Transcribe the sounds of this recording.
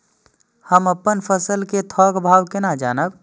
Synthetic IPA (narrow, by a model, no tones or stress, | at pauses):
həməpːənpʰəsəlket̪ʰɔːkbʱaːwkɪnad͡ʒaːnəb